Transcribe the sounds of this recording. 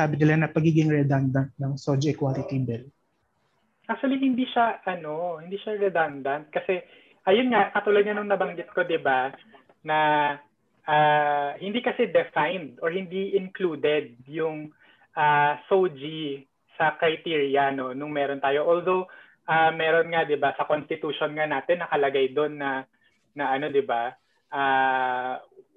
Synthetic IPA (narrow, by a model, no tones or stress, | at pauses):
aːbɪnɪlanɐpɐɡiːɡɪŋɹɛd̪and̪ɐnt̪̚nɐŋsod͡ʒiɛkwalɪt̪ibɛl | ʔak̚t̪uɐlihɪnd̪iʃaʔɐno̞hɪnd̪iːʃaɹɛd̪and̪ɐnt̪̚kɐsɛ | ʔɐjonŋaʔkɐt̪uːlɐd̪̚ɲɐnʊŋnɐbɐŋɡɪt̪̚ko̞d̪ɪba | nɐ | ʔaːhɪnd̪iːkɐsɛd̪ɛfajnd̪oɹhɪnd̪iʔɪnkluːd̪ɛd̪̚jʊŋ | ʔaːsowd͡ʒi | sɐkɾɐjt̪iːɹjɐnonʊŋmɛːɾo̞nt̪aːjo̞ʔold̪o̞w | ʔamɛːɾo̞nŋad̪ɪbasɐko̞nst̪ɪt̪uʃonŋanaːt̪ɛnːɐkɐlɐɡajd̪onːɐ | nɐʔɐno̞d̪ɪba | ʔa